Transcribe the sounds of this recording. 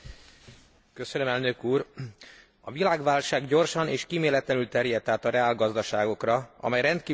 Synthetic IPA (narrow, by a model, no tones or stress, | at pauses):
kø̞sønø̞mɛlnøkuːr | ɒ̰vilaːɡʋaːlʃaːɡɟo̞rʃɒneːʃkiːmeːlɛt̪lɛnylt̪ɛrjɛt̪ːaːt̪ɒrɛaːlɡɒzd̪ɒʃaːɡo̞krɒɒ̰mɛjrɛnt̪̚kiː